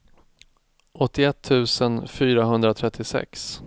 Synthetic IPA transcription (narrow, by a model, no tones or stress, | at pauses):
ɔt̪ːɪɛt̪ʰːʉ̟ːsənfyːɾaɦɵnd̪ɾat̪ʰɾɛt̪ʰːɪsɛ̰ks